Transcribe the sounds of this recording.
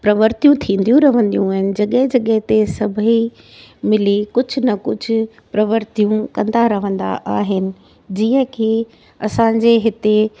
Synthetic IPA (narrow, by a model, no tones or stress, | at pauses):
pɾɐʋəɾt̪jũt̪ʰĩːnd̪ijũɾɐʋ̤ə̃nd̪ijũaːɦɪnɪ̆d͡ʑɐɠəɦɪd͡ʑɐɠəɦt̪esɐbʱi | mɪlikʊd͡ʑʱʊ̆nɐkʊd͡ʑʱʊ̆ | pɾɐʋəɾt̪ijũkɐ̃nd̪aɾɐʋə̃nd̪a̰ʔaːɦɪnɪ̆ | d͡ʑiːə̃kʰeː | ɐsãːɲd͡ʑeɦɪt̪e